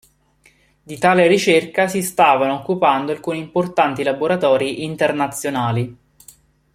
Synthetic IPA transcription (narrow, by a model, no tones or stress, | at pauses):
d̪it̪aːleɾit͡ʃerkasist̪aːvanookːupand̪oalkuniːmport̪ant̪ilaboɾat̪ɔːɾiʔint̪ernat̪sːjonaːli